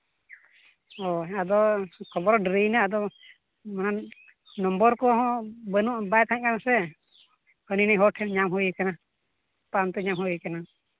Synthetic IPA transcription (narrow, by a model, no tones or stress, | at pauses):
ɔad̪ɔkʰɔbɔɾɔɖɾinaad̪ɔ | mana | nɔmbɔɾkɔɦɔ̃bənuʔbajt̪aaɲkanasɛ | kəninəjɦɔʈʰɛɲamɦujikana | pant̪ɔɲamɦujikana